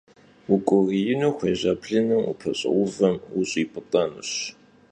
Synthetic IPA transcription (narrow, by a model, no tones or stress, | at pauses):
wukʷʼʊrijɪnuːxʷeːʑaːpʰɬɨnɨmṵpʰɐɕʼɪ̰wʷʊvɐmuɕʼiːpʼɨtʼɑnɨ̰ɕ